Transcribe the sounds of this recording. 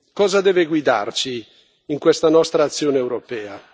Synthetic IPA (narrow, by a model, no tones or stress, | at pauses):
kɔːzad̪ɛːveɡwid̪a̰rt͡ʃiː | ŋkwest̪anɔst̪ɾaːt̪sːjoːneːwɾopɛːa